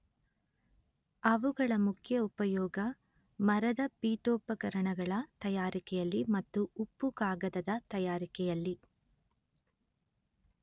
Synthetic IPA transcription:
ɐʋuɡɐɭɐmukʰjɐupɐjɔːɡɐ | mɐɾɐd̪ɐpiːʈoːpɐkɐɾɐɳɐɡɐɭɐt̪ɐjaːɾikɛjɐlːimɐt̪ːuupːukaːɡɐd̪ɐd̪ɐt̪ɐjaːɾikɛjɐlːi

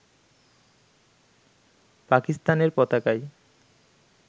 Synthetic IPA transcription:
pakist̪aneɾpɔt̪akaj

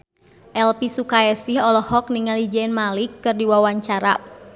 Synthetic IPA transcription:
ʔɛlpisukaɛsiɦɔlɔhɔk̚niŋalid͡ʒɛnmalɪkːɨrdiwawaɲt͡ʃaɾa̰

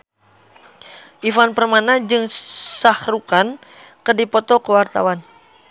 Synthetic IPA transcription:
ʔifanpərmanad͡ʒɨŋsahrukan | kərdipɔt̪ɔkəwart̪a̰wan

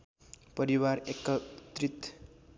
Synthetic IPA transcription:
pʌɾiwarekʌt̪rit̪

